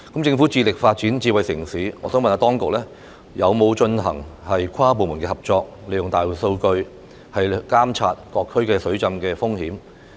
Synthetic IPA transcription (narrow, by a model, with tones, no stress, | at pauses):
kmt͡sɪ˧ŋfuː˨˥t͡siː˧lɪ˨k̚faː˧t̚t͡siː˨˥nt͡siː˧wɐ˨jsɪ̰˨˩ŋsiː˨˥ŋɔː˨˧˥sœː˨˥ŋmɐ˨naː˧˥t̪ɔː˥ŋkʊ˨k̚lɛː˥ | jɐ˨˧wmo˨˧wt͡ʃɵ˧nɦɐ˨˩ŋhɐ˨jkʷʰwaː˥p̬o˨wmu˨˩nkɛː˧hɐ˨p̚t͡ʃɔː˧k̚le˨˧jʊ˨ŋt̪aː˨˩jwu˨˩so˧wkɵ˧ɥ | hɐ˨jkaː˥mt͡sʰaː˧t̚kɔː˧kʰːɵ˥ɥkɛː˧sɵ˨˥ɥt͡sɐ˧mkɛː˧fʊ˥ŋhiː˨˥m